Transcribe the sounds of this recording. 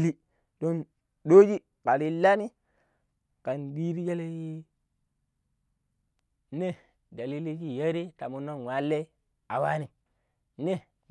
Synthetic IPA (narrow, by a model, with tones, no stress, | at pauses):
li˦ | do˦n | ɗo˦d͡ʒi˦ | ka˨ɾi˦lːa˦ni˦ | ka˨nɗi˦ɾi˦d͡ʒe˦le˦ji˦ | ne˦ | da˨li˦li˦ki˦je˦ɾi˦ta˨mu˨no˦nwa˨lːe˦ | a˨wa˦ni˨ | ne˦